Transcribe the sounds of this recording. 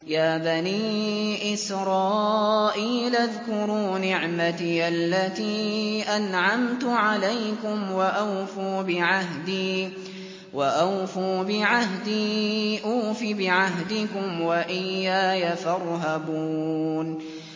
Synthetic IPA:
jaːbaniːʔɪsɾˤɑːʔiːlʔaðkʊɾuːnɪʕmat̪iʔalːat̪iːʔanʕamt̪ʊʕalajkʊmwaʔawfuːbɪʕaɦd̪iː | waʔawfuːbɪʕaɦd̪iːʔuːfibɪʕaɦd̪ɪkʊmwaʔɪjːaːjafɑɾˤɦabuːn

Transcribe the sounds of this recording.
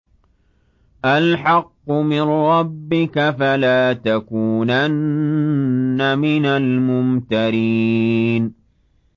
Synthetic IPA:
ʔalħɑqːʊmɪnɾˤɑbːɪkafalaːt̪akuːnan | amɪnalmʊmt̪aɾi | n

